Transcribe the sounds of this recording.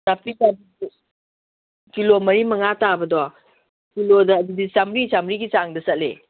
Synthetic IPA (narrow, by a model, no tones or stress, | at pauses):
sapisabi | kilomɐɾimɐŋatabɐdɔ | kilodɐːdudisamɾisamɾiɡit͡ʃaŋdɐsɐt̚lḛ